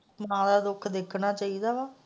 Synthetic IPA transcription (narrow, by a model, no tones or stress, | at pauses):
mãːd̪aːd̪ʊkʰd̪eːkʰɽ̃aːt͡ʃaːid̪aːʋaː